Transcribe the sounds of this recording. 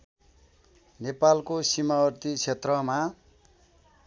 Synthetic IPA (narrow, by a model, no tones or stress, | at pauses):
nepalkosimaʌrt̪it͡sʰet̪rʌma